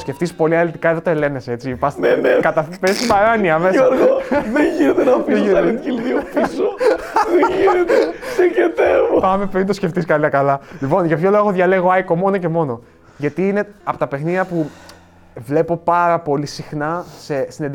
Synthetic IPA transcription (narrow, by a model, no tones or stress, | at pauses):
sce̞ft̪ispo̞liɐlit̪ikɐeðo̞t̪oe̞le̞neset͡sipɐsenekɐt̪ɐpest̪ibɐɾɐniɐmesɾɣoðeʝinet̪enɐfieiɐikilðiopisoðeʝinet̪eseket̪evopɐmepɾint̪osce̞ft̪iskɐliɐkɐlɐlipo̞nʝɐpço̞looɣoðʝɐle̞ɣoɐjko̞mo̞noce̞mo̞no̞ | ʝɐt̪iine̞ɐpot̪ɐpe̞xniðjɐpu | vle̞po̞pɐɾɐpo̞lisixnɐse̞sinend̪